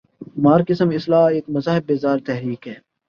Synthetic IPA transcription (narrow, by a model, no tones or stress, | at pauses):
maːɾkɪsəmɪslaːeːkmɐzaːɦɪb̚ːeːzaːɾt̪ɛɦɾiːkɦɛː